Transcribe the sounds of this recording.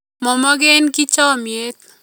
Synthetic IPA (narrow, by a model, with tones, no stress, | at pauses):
mɔ˨mɔ˦ɡenki˦t͡ʃɔ˦mje˦t̪